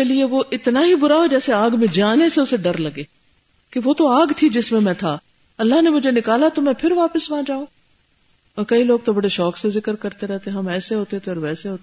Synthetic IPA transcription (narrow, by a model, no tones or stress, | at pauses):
elieʋoʔɪt̪naɦibʊɾaɦod͡ʒɛːseaːɡmẽd͡ʒaːneseʊseɖɐɾlɐɡeː | keʋot̪oaːɡt̪ʰid͡ʒɪsmẽmɛ̃t̪ʰaː | ɐlːaɦnemʊd͡ʒʱenɪkaːlat̪omɛ̃pʰɪɾʋaːpəsʋãːd͡ʒaːoː | ɔːɾkɐiloːɡ̚t̪obɐɽeʃɔːksezɪkəɾkɐɾt̪eɾɛɦt̪eẽɦɐmɛːseɦoːt̪et̪ʰeɔːɾʋɛːseɦoːt̪